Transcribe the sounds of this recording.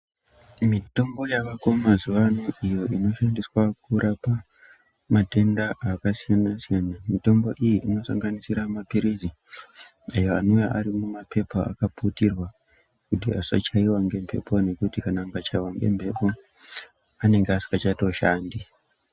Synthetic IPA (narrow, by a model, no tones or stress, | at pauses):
mito̞mbo̞jaʋako̞mazuʋanoijo̞ino̞ʃandiswakuɾʔapa | mate̞ndaʔakasijanasijanamito̞mbo̞ʔijiʔino̞saŋɡanisiɾamapiɾizi | ajo̞anojaʔaɾimumape̞paa̰kaputirwa | kutiasa̰t͡ʃaiwaŋɡe̞mpe̞̰pʰone̞kutikanaːŋɡat͡ʃaiwaŋɡe̞̰mbʱe̞po̞ | ane̞ŋɡeasi̥kat͡ʃatoʃaːndi